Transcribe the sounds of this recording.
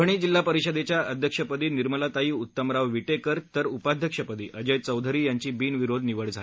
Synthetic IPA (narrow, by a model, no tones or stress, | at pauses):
əɳ̃iːd͡ʑilːapəɾiɕəd̪et͡ɕjaəd̪ʱjəkʂəpəd̪iːniɾməlat̪aɦiːut̪ːəmɾaʋʋiʈekəɾt̪əɾupad̪ʱjəkʂəpəd̪ḭːʔəd͡ʑəjt͡səwd̪ʱəɾiːjaɲt͡ɕiːbiːnʋiɾod̪ʱniʋəɽd͡zʱal